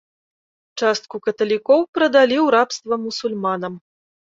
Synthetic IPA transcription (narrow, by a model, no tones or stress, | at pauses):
t͡ʂast̪̚kukɐt̪ɐlʲikɔwpɾɐd̪alʲiwɾapst̪vɐmusulʲmanɐm